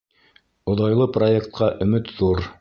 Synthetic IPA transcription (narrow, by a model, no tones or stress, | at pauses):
ŏðɑjlˠɤproekt̪̚qɑʔɵ̆mɘt̪ðuɾ